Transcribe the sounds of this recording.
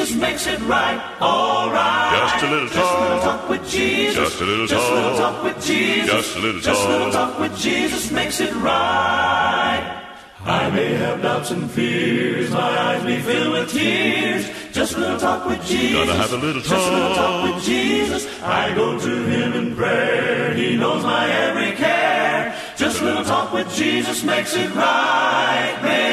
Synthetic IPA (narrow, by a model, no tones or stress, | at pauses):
ʌsmeɪksɨt̚ɹaɪt̚ | ɔlˠɹaɪɛ̥ʌswən̩ˠtʰɔkwɨðd͡ʒizɨʒ̥ʌsən̩tʰɔkwɨðd͡ʒizʌs̩ʒʌsə̃ɾˠtʰɔkwɨðd͡ʒizɨsmeɪksɨt̚ɹa | t̚ | aɪmeɪɨvdãtsɨ̃ɱfɪɹzmaɪaɪzbeɪfilˠwɪð̥ɪɹz̥ | ʒ̥ʌst̚wɛ̃nl̩ˠtʰɔkwɨðd͡ʒizɨʒʌst̚wɛ̃nətʰɔkwɨðd͡ʒizɨs | a̰ɪɡoʊɾɨɪ̃mɨ̃npʰɹ̥ɛinoʊzmaɪɛvɹikʰɛ | d̥ʒ̥ʌst̚wɛnətʰɔkwɨðd͡ʒizɨsmeɪksɨt̚ɹaɪt̚be